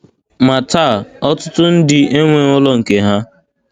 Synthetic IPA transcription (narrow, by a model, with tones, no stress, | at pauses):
ma˨ta˦˨ɔ˦tʊ˦tʊ˦n̩˦dɪ˨e˦ŋʷe˨ʊ˦lɔ˦ŋ̩˨ke˨ɦa˦